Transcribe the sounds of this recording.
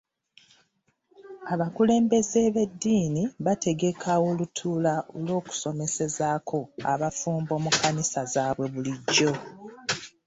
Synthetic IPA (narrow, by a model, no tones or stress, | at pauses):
aβakule̞ːmbe̞ze̞βe̞dːiːniβate̞ɡe̞kʰawo̞lutʰuːlaʔolo̞ːku̥so̞me̞se̞zakʰo̞a̰βafuːmbo̞ːmukanisazaːβwe̞βuliɟːo̞